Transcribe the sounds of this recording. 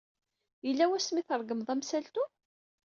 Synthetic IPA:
jəlːæwæsmiθəɾˤɡəmðˤæmsælt̪u

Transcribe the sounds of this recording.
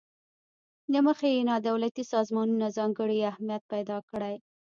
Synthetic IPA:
nəməxejenɑd̪awlat̪isɑzmɑnunazɑŋɡəɽiahmijat̪̚pajd̪ɑkəɽaj

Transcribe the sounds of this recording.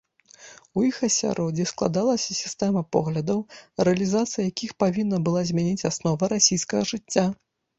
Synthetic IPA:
ujixɐsʲa̰ɾʔɔd͡zʲisklˠa̰d̪alˠɐsʲɐsʲi̥st̪ɛmɐpɔɣlʲɐd̪ɐwrɛɐlʲizat̪sɨjɐjakʲixpavʲinːɐbɨlˠazʲmʲanʲit͡sʲasnɔvɐɾasʲijskɐɣɐʐɨt͡sʲːa

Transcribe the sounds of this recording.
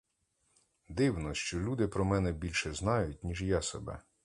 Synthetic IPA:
d̪ɪwnɔʃt͡ʃɔlʲud̪ɪpɾɔmɛnɛbʲilʲʃɛznɑjʊt̚ʲnʲiʒjasebɛ̰

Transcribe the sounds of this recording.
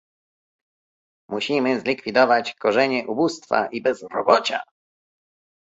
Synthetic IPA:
muɕimɘzlʲikfʲid̪ɔvat͡ɕkɔʐɛɲɛʔubust̪fa̰ʔibɛzɾɔbɔt͡ɕa̰

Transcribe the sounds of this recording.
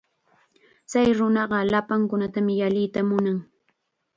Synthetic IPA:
t͡sajɾʊnɑɢɑlapaŋkʊnat̪amɪjalɪt̪amʊnaŋ

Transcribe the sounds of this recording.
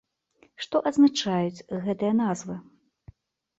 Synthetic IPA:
ʂt̪ɔʔɐd̪znat͡ʂajut͡sʲɣɛt̪ɨjɐnazvɨ

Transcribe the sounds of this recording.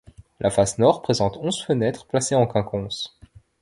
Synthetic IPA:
lʔafasnɔʁpχezɑ̃t̪ɔ̃z̥fənɛt̪χplaseɑ̃kɛ̃kɔ̃s

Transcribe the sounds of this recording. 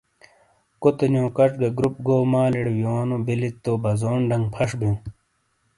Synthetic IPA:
kot̪onjõːkɐʈɡɐɡɾup̚ɡoːmaːliɽwjoːnobilit̪ːoːbɐzoːnɖɐŋɡpʰɐʂbiũ

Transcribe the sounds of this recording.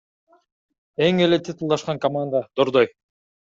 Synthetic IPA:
e̞ŋe̞let̪ʰʲit̪ulˠd̪ɑʃqɑŋkɐmand̪əd̪̥oɾd̪oj

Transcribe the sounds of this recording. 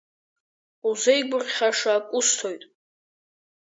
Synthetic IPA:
uzejɡʷʊrχʲaʂaːkʷʼʊstʰojtʼ

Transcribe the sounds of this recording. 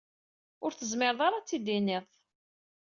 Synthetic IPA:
ʊɾθəzmɪɾðˤaɾˤat͡sːid̪inɪðˤ

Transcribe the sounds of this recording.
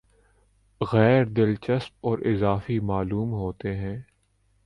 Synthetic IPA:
ɣɛːɾd̪ɪlt͡ʃəsp̚ɔːɾʔɪzaːfimaːluːmɦoːt̪eɦɛ̃ː

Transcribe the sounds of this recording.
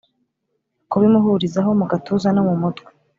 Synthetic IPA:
kuβimuɦuɾizaɦo̞muɡatuzanomumutɡwe̥

